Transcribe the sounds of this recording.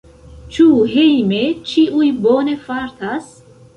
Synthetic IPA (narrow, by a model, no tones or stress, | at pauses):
t͡ʃuɦejmet͡ʃiʔujbone̞faɾt̪as